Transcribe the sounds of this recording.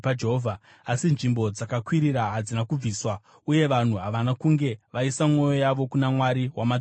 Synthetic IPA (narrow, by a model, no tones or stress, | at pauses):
pad͡ʒeɦovʱa | asinʐimbo̞d͡zakakwiɾiɾaɦad͡zinakub͡viːswa | uje̞ʋan̤uɦaʋanakuŋɡe̞ʋaisamŋo̞jo̞jaʋo̞kunamwaɾiwamad͡z